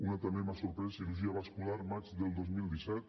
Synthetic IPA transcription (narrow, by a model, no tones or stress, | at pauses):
unat̪əmemasuɾpɾɛsiluʒiəβaskulaɾmad͡ʒðəlˠd̪ozmilˠd̪isɛt̪